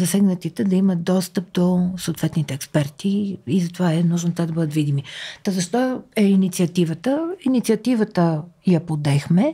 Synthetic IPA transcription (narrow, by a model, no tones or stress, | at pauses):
zɐsɛɡnət̪it̪ɛd̪ɐimət̪̚d̪ɔst̪əp̚d̪osoːt̪vɛt̪nit̪ɛːkspɛɾt̪iizɐt̪ovaɛnuʒnot̪ad̪ɐbɤd̪ət̪vid̪imit̪ɔzɐʃt̪ɔɛinit̪siɐt̪ivət̪əinit̪siɐt̪ivət̪əjɐpod̪ɛxmɛ